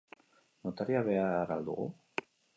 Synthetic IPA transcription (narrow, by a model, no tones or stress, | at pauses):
not̪aɾiaβeaɾald̪ṵɣṵ